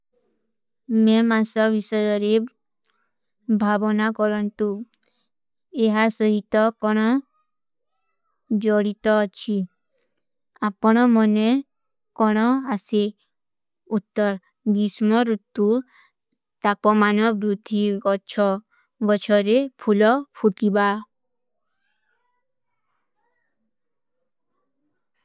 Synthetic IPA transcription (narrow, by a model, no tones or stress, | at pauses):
memasɔbisɔjɔɾe | bʱabɔnakɔɾɔnt̪u | eɦasɔɦit̪ɔkɔɽ̃ɔ | d͡ʒɔɽit̪ɔːt͡ʃʰi | apɔɽ̃ɔmɔne | kɔɽ̃ɔase | ut̪ːɔɾ | ɡ̪ismɔɾut̪ːu | t̪apɔmanɔbɾud̪ʱiɡɔt͡ʃʰɔ | bɔt͡ʃʰɔɾepʰulɔpʰuʈiba